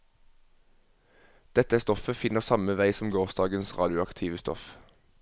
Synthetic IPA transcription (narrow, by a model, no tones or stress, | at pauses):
d̪̥ɛt̪əst̪ɔfəfɪnəʁsɑməʋæɪsɔm̩ɡoːʁsd̪ɑːɡənsʁɑ̰ːd̪ɪʊɑkt̪ʰiːʋəst̪ɔ̰f